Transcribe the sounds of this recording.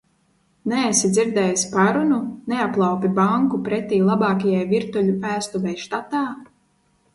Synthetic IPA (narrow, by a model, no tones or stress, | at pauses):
nɛːsid̪ziɾd̪ɛjasʲpaɾununeaplˠawpʲibaŋkupɾɛt̪iːlˠabɑːkajajviɾt̪ulʲuæːst̪uvɛjʃt̪at̪aː